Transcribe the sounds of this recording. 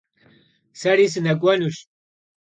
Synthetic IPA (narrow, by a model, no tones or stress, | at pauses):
sɐɾis̬ɨnɐkʷʼɐnuʃ